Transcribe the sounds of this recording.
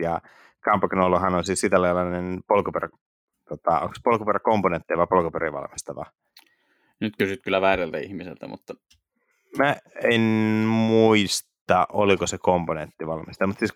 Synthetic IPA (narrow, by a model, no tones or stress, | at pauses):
jɑ | kɑmpɑknolːohɑnonsiːssit̪ælɑjlɑnenpolkuperɑ | t̪ot̪ɑo̰ŋkspolkuperɑkomponent̪ːiʋɑpolkuperiʋɑ̰lmist̪ɑʋɑ̰ | nyt̪kysyt̪kylːˑæʋæːrælt̪æihmisḛlt̪æ̰mṵt̪ːɑ | mæenmuist̪ɑʔolikosekomponent̪ːiʋɑlmist̪ɑmut̪siːs